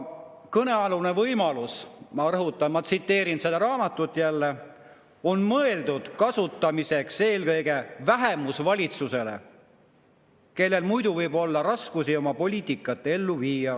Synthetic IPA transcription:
kɤne̞ɑlune̞vɤjmɑlusmɑrɤɦut̪ːˑɑmɑt̪sit̪ːe̞ːɾinsed̪̥ɑɾɑːmɑt̪ːˑut̪ːˑjælːe | o̞nmɤe̞ld̪ud̪̥kɑsut̪ːˑɑmise̞kse̞ːlkɤjɡe̞væɦe̞musvɑlʲit̪suse̞le̞̰ | ke̞lːe̞lmujd̪̥uvɤjbo̞lːɑɾɑskusio̞mɑpo̞lʲiːt̪ikːˑɑt̪ːˑe̞lːuviːjɑ

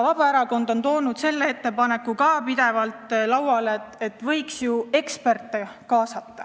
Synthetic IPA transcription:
vɑb̥ɑeɾɑko̞nd̪o̞nt̪o̞ːnud̪̥se̞lːeet̪ːe̞pɑne̞kːukɑːpid̪̥e̞vɑlt̪ˑlɑwwɑlet̪et̪ːˑvɤ̞jksjue̞kspe̞rt̪ːˑekɑːsɑt̪ːɑ

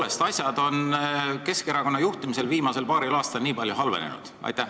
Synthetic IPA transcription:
le̞st̪ɑsʲjɑd̪̥o̞nke̞ske̞ɾɑko̞nːɑjuht̪imis̬e̞lviːmɑse̞lpɑːɾilɑːst̪ɑlniːpɑlʲjuɦɑlve̞̰nḛnṵd̪̥ɑ̰jt̪ːæ

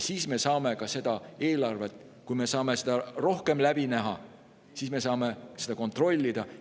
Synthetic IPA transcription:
siːsme̞sɑːme̞kɑse̞d̪̥ɑe̞ːlɑrve̞t̪ːˑ | kujme̞sɑːme̞sed̪̥ɑro̞hke̞mlæb̥inæɦɑ | siːsme̞sɑːme̞se̞d̪ɑko̞nt̪ro̞lʲːid̪̥ɑ

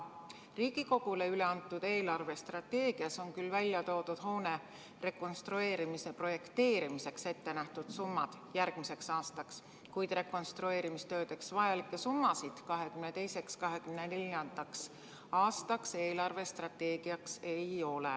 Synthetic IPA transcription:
riːɡ̥iko̞ɡ̥ule̞yle̞ɑnt̪ːˑud̪̥e̞ːlɑrve̞st̪rɑt̪ːe̞ːɡ̥iɑso̞nkylːvælʲːjɑt̪o̞ːd̪ud̪̥ɦo̞ːne̞ | re̞ko̞nst̪ɾue̞ːɾimise̞pro̞je̞kt̪e̞ːɾimise̞kse̞t̪ːe̞næht̪ud̪̥sumːɑd̪̥jæɾɡ̥mise̞ksɑːst̪ɑks | kujd̪̥re̞ko̞nst̪ɾue̞ːɾimist̪ø̞ːd̪eksvɑjɑlikːˑe̞sumːɑsid̪̥kɑɦe̞kymnet̪e̞jse̞kskɑɦe̞kymnenelʲɑnd̪̥ɑks | ɑːst̪ɑkse̞ːlɑrve̞st̪rɑt̪ːe̞ːɡ̥iɑkse̞jo̞lḛ

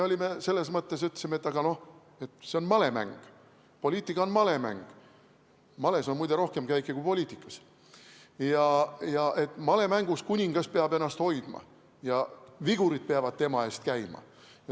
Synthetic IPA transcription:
eo̞lime̞se̞lːe̞s̬mɤt̪ːe̞s̬yt̪ːˑsimet̪ːˑɑɡ̥ɑno̞h | e̞t̪ˑseo̞nmɑle̞mæ̰ŋɡ̥ | polʲiːt̪ːˑikːˑɑonmɑle̞mæ̰ŋɡ̥ | mɑle̞so̞nmujd̪eɾo̞hke̞mkæjkːˑikuipo̞lʲiːt̪ˑikːˑɑ̥s | jɑjɑʔe̞t̪ːˑmɑle̞mæŋɡ̥uskunʲiŋɡ̥ɑspeɑbe̞nːɑst̪ho̞jd̪̥mɑ̰ | jɑviɡ̥uɾid̪̥̚peɑvɑd̪̚t̪e̞mɑe̞ːst̪̚kæjmɑ̰ | jɑ

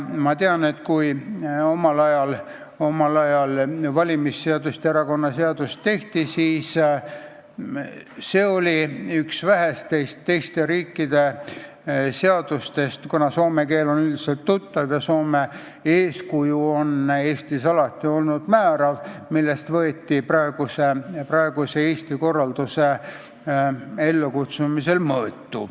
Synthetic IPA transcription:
mɑt̪eɑne̞t̪kujo̞mɑlɑjɑl | o̞mɑlɑjɑlvɑlʲimisːeɑd̪ust̪eeɾɑko̞nːɑseɑd̪̥ust̪ːe̞ht̪isiːs | se̞ːo̞lʲiyksvæɦest̪ːe̞jst̪ːe̞jst̪e̞ɾiːkːid̪̥e̞ | seɑd̪̥ust̪e̞st̪kunɑso̞ːmekeːlo̞nyld̪iselt̪ːut̪ːɑvjɑso̞ːme | eːskujuo̞ne̞ːst̪isɑlɑt̪ːiolnud̪̥mæːɾɑvmilːe̞st̪vɤet̪ːiprɑe̞ɡ̥useprɑe̞ɡ̥useeːst̪iko̞rːɑld̪̥use | elːukut̪sumise̞lmɤːt̪ːṵ

